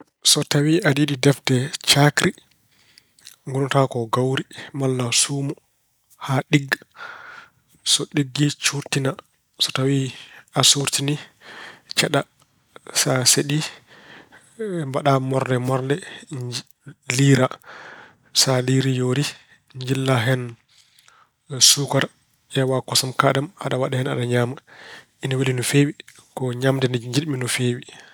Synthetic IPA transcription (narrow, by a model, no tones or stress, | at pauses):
sɔtawiadiɗidɛftɛt͡ʃakɾi | ŋɡunɔtakɔɡawɾimalːasuːmɔ | haɗiɡː | sɔɗiɡːit͡ʃuɾtina | sɔtawiasuɾtini | t͡ʃɛɗa | saseɗi | mbaɗamɔɾnɛmɔɾnɛ | liːɾa | saliɾijoɾi | ɲd͡ʒilːaɦɛn | sukaɾ | ʔɛwakɔsamkaɗama̰ɗawaɗɛhɛnaɗaɲaːmaʔinawelinɔfewi | kɔɲamdɛnɛɲd͡ʒiɗminɔfeːwi